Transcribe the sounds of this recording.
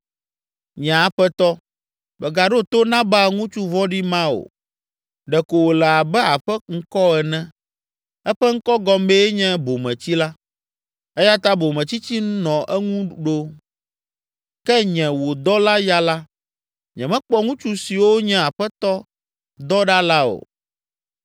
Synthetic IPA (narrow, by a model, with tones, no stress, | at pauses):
ɲɛ̃˨a˨ɸɛ˦t̪ɔ˦ | bɛ˨ɡa˨ɖo˦t̪o˦nã˦ba˦ŋũ˦t͡ʃu˦vɔ˦ɖi˦mã˦o̰˨ | ɖɛ˨ko˨wo˨lɛ˨a˨bɛ˦a˨ɸɛ˦ŋ̩˦kɔ˦ɛ˨nɛ̃˦ | ɛ˦ɸɛ˦ŋ̩˦kɔ˦ɡɔ˦me˦ɲɛ̃˦bo˨mɛ̃˨t͡ɕi˦la˦ | ɛ˦ja˦t̪a˦bo˨mɛ̃˨t͡ɕi˦t͡ɕi˦n˦nɔ̃˨ʔɛ˦ŋũ˦ɖo˦ | kɛ˦ɲɛ̃˨wo˨d̪ɔ˦la˦ja˦la˦ | ɲɛ̃˨mɛ̃˦k͡pɔ˦ŋũ˦t͡ʃu˦si˨wo˦ɲɛ̃˦˨a˨ɸɛ˦t̪ɔ˦ | d̪ɔ˦ɖa˦la˦o̰˨